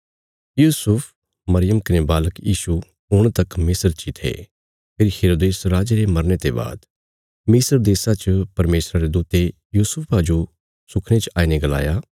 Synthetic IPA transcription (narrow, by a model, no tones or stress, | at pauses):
juːsʊpʰ | mɐɾɪjəmkɐnẽbaːləkjiːsu | ʊɽ̃t̪ɐkmɪsəɾt͡ʃit̪ʰḛː | pʰeːɾiheːɾoːd̪eːsɾaːd͡ʒeɾemɐɾnet̪eba̰ːd̪ | mɪsəɾd̪eːsat͡ʃəpɐɾmeːsɾaɾed̪uːt̪e | juːsʊpʰad͡ʒo | sʊkʰɽ̃et͡ʃaːineɡɐla̰ːjaː